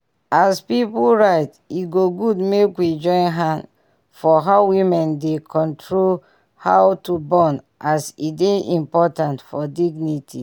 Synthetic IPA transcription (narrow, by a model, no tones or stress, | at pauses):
aspipulɹaɪt | iɡoɡudmekwid͡ʒɔ̃ɪ̃nɦãn | fɔɦaʊwimɛ̃ndekʰɔ̃ntʰɹol | hawtubɔn | ʔasideĩmpɔtãntfɔdiɡnitʰḭ